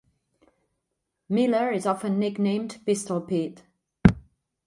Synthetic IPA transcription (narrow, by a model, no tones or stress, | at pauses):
mɪləɹɪzɒfə̃nːɪɡnẽɪ̃mbɪstəlˠpʰit